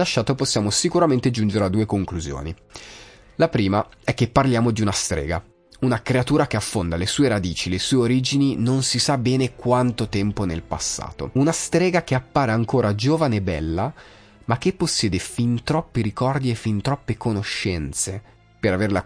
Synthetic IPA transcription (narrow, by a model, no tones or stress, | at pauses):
laʃːaːt̪oposːjaːmosikuɾament̪ed͡ʒund͡ʒeɾead̪ːuːekoŋkluzjo̰ːni | lapɾiːmaɛkːepːarljaːmod̪iunast̪ɾɛ̰ːɡa | unakɾeat̪uːɾak̟eafːond̪alesuːeɾad̪iːt͡ʃilesuːeoɾiːd͡ʒininonsisabːɛːnekwant̪ot̪ɛmponelpa̰sːa̰ːt̪o̰unast̪ɾɛːɡak̟eapːaːɾeaŋkoːɾad͡ʒoːvaneːbɛ̰lːa | mak̟ːepːosːjɛːd̪efint̪ɾɔpːiɾikɔrd̪iefːint̪ɾɔpːekonoʃːɛnt̪se | peɾaverla